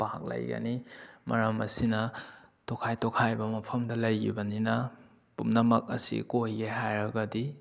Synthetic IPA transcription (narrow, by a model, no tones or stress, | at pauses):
pak̚lɐ̰jɡa̰nimɐ̰ɾamɐ̰sinɐtokʰajtokʰajbɐmɐpʰɐmdɐlɐjɡṵbɐninɐ | pumnɐmɐk̚ɐ̰sḭkojɡeɦajɾɐɡɐdi